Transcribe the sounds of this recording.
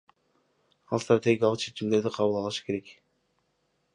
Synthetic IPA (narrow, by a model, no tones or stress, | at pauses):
ɑlˠst̪rat̪ʲe̞ɡʲijalˠəqt͡ʃʰet͡ʃimd̪e̞ɾd̪iqʰɑβulˠɑlˠɯʃɯ̥kʰe̞ɾe̞k